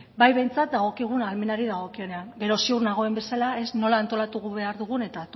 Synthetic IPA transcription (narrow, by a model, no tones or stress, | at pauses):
bajβe̞jnt͡sat̪̚d̪aɣ̞o̞kiɣ̞unalme̞naɾiðaɣ̞o̞kio̞ne̞aŋɡe̞ɾo̞siuɾnaɣ̞o̞embe̞salae̞sno̞laːnt̪o̞lat̪uɣuβe̞aɾðuɣ̞une̞t̪at̪